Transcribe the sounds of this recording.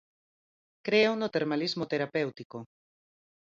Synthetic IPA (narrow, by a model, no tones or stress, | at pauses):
kɾeonot̪eɾmalizmot̪eɾapewt̪iko